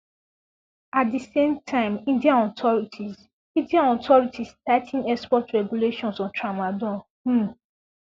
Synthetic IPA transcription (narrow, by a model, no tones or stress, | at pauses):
atdisẽmtʰãɪ̃mĩndiãnɔtʰɔɹitʰiz | ĩndiãnɔtʰɔɹitʰistatʰĩŋɛspɔtɹɛɡuleʃɔ̃nsɔ̃ntʰɹamadɔ̃n | m̩